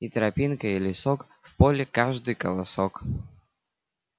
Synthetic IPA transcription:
it̪ɾɐpʲinkəilʲɪsok | fpolʲɪkaʐd̪ɨjkəlˠɐsok

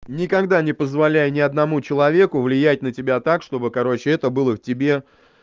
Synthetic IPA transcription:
nʲɪkɐɡd̪anʲɪpəzvɐlʲæjənʲɪɐd̪nɐmut͡ɕɪlˠɐvʲe̞kʊvlʲɪjæt̚ʲnətʲɪbʲat̪akʂt̪o̞bɨkɐɾo̞t͡ɕɪɛt̪əbɨlˠəftʲɪbʲe̞

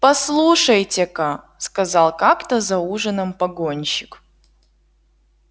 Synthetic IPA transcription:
pɐslˠuʂəjtʲɪka | skɐzɑlˠkakt̪əzɐuʐənəmpɐɡonʲɕɪk

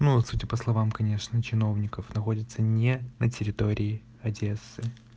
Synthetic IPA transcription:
nuɐsutʲɪpəslˠɐvamkɐnʲe̞ʂnət͡ɕɪno̞vnʲɪkəfnɐxo̞dʲɪt̪sənʲenətʲɪɾʲɪt̪o̞ɾʲʔɪː | ɐdʲesːɨ

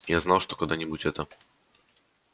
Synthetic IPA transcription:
jaznawʂt̪ɔ̥kɔd̪aɲʲɛbut͡ɕɛt̪a

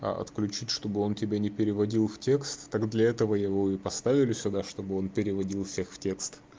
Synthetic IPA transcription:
ɐ̰ʔɐ̰t̪klʲʉt͡ɕitʲʂt̪o̞bɨo̞ntʲɪbʲanʲɪpʲɪɾʲɪvɐdʲilˠftʲe̞kst̪ːaɡd̪lʲɐɛt̪əvəjɪvo̞ɪpɐst̪avʲɪlʲɪsʲʊd̪aʂt̪o̞bɨo̞npʲɪɾʲɪvɐdʲilˠfsʲe̞xftʲe̞kst̪

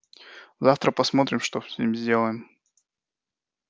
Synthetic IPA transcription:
zaft̪ɾəpɐsmo̞t̪ɾʲɪmʂt̪oimzʲdʲe̞lˠəjɪm

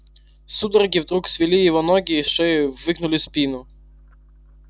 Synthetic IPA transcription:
sud̪ɔɾɡʲiwd̪ɾuksʋʲilʲijiʋɔnɔɡʲiʃɪwːɪknʊlʲɪspʲinʊ

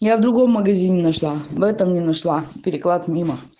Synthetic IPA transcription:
javd̪ɾʊɡo̞mːəɡɐzʲinʲɪnɐʂlˠavɛt̪əmnʲɪnɐʂlˠapʲɪɾʲɪklˠat̪mʲimə

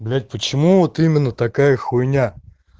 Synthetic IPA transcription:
blʲæt̪̚ʲpət͡ɕɪmuvot̪imʲɪnːət̪ɐkajəxʊjnʲa

